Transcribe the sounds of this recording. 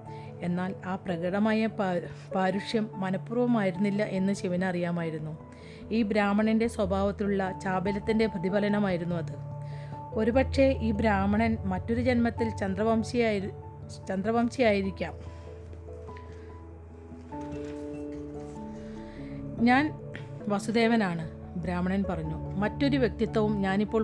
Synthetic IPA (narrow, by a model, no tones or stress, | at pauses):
e̞nːaːlaːprɐɣɐɽɐmaːjɐpaːɾuʂjɐmːɐnɐpːuːrʋɐmaːjiɾunːilːɐʔe̞nːɨɕiʋɐnɐrijaːmaːjiɾunːu | iːbɾaːmɐɳinde̞swɐbʱaːʋɐt̪ːiluɭːɐt͡ɕaːbelɐt̪ːinde̞bʱɐd̪ʱibʱɐlɐnɐmaːjiɾunːuɐðɨ | o̞ɾupɐkʂe̞ʔiːbɾaːmɐɳɐnmɐtːo̞ɾud͡ʑe̞nmɐt̪ːilt͡ɕɐnd̪rɐɐmi | t͡ɕɐnd̪rɐbamɕijaːjiɾikʲːaːm | ɲaːnʋɐsud̪e̞ːʋɐnaːɳɨ | bɾaːmɐɳɐnpɐrɐɲːumɐtːo̞ɾuʋje̞k̚t̪it̪ːɐʋumɲaːnipːo̞ː